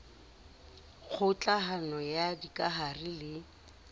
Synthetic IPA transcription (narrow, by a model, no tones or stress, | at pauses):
k͡xʰʊt͡ɬʼaɦanɔjadikʼaɦarɪlɪ